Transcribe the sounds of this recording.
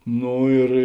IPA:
ˈnoː ɪr

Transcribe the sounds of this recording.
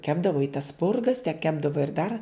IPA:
ˈkʲæːbdɐʋoː ɪ tɐs ˈspʊrɡɐs tʲɛp ˈkʲæːbdɐʋoː ɪr dɐr

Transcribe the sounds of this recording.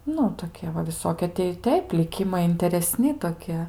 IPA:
ˈnʊ toːˈkʲiɛ ʋɐ ʋʲɪˈsoːkʲiɛ tʲɛɪ ɪ ˈtʲɛɪp lʲɪˈkʲɪmɐɪ ɪnʲtʲɛrʲɛˈsʲnʲɪ toːˈkʲiɛ

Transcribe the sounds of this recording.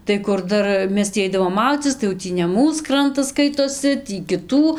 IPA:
tɐɪ ˈkʊr ˈdɐr ˈmʲɛs tʲiː ˈɐɪdɐʋoːm ˈmɐʊd͡zʲiːt͡sʲɪs tɐɪ jɛʊ ˈtʲiː nʲɛ ˈmuːs ˈkrɐntɐs ˈskɐɪtoːsʲɪ ˈtʲiː kʲɪˈtuː

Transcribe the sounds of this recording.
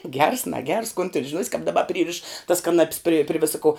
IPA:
ɡʲɛrs nɐˈɡʲɛrs koːn tʲɪn ʒʲɪˈnuɔsʲ kɐp dɐˈbɐ ˈpʲrʲiːrʲɪʃ tɐs kɐˈnɐpʲs pʲrʲeː pʲrʲɪ ˈʋʲɪsɐ koː

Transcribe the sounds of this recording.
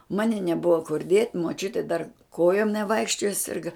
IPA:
ˈmɑːnʲɪ nʲɛˈbʊʋɐ kʊr dʲiɛtʲ muɔˈt͡ʃʲʊtʲeː dɐr ˈkoːjoːm nʲɛˈʋɐɪkʃʲt͡ʃʲoːjɛ ˈsʲɪrɡɐ

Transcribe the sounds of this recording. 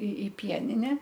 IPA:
ɪ ɪ ˈpʲiɛnʲɪnʲɛ

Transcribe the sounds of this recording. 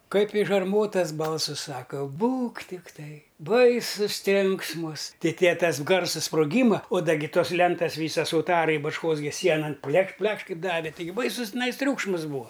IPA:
kɐɪp ɪʃ ɐrˈmoːtɐs ˈbɐlˠsɨs ˈsɑːkɐ ˈbuːk tʲɪkˈtɐɪ ˈbɐɪsʊs ˈtʲrʲɛŋksmʊs tʲɪ tʲiɛ ˈtɐs ˈɡɐrsɐs sproːˈɡʲiːmɐ oː ˈdɐ ɡʲɪ ˈtoːs ˈlʲɛntɐs ˈʋʲiːsɐs ʊˈtɑːrɐɪ bɐt͡ʃˈkoːs ɡʲɪ ˈsʲiɛnɐn ˈpʲlʲɛkʃ ˈpʲlʲɛkʃ ˈkɐɪp ˈdɑːʋʲɪ ˈtɐɪɡʲɪ ˈbɐɪsʊs tʲɪˈnɐɪs ˈtʲrʲuːkʃmɐs ˈbuːɐ

